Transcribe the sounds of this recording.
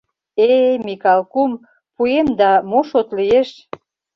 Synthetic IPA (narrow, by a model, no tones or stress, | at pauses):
emikɑlkum | puemd̪ɑmoʃot̪lijeʃ